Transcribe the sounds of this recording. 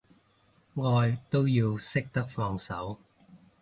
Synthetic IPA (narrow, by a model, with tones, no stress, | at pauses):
ŋɔː˧jt̪o˥wjiː˧wsɪ˥k̚t̪ɐ˥k̚fɔː˧ŋsɐ̰˨˥w